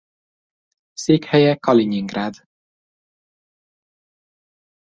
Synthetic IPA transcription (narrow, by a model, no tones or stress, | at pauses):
seːkhɛjɛkɒliɲiŋɡraːd̪